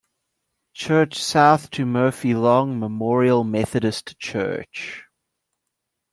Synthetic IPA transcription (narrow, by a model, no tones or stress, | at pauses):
t͡ʃʰɜːˑt͡ʃsaʊθtʰəmɜːˑfilɔ̃ŋməmɔːɹiəlˠmɛθəɾəstt͡ʃʰɜ̰ːˑt͡ʃ